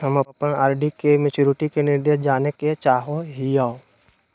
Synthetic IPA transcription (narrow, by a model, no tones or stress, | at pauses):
ɦəmɐpənaːɾɖikemɪt͡ʃuːɾɪʈikenɪɾd̪ed͡ʒaːneket͡ʃaːɦoɦijao